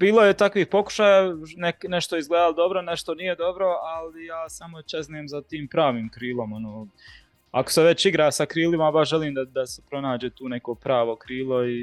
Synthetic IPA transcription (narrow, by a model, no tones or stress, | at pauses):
biːlˠojet̪akʋiːhpo̞ku̥ʃaːjanekneʃt̪oizɡled̪alod̪o̞bɾoneʃt̪o̞nije̞d̪o̞bɾo̞alijaːsamot͡ʃeznijemzat̪iːmpɾaːʋiːmkɾiːlo̞monoː | akoseʋe̞t͡ʃt͡ɕiɡɾaːsakɾiːlimabaʃʒeliːmd̪ad̪asepɾo̞naːd͡ʑeːt̪uːne̞ko̞pɾaːʋo̞kɾiːlˠo̞i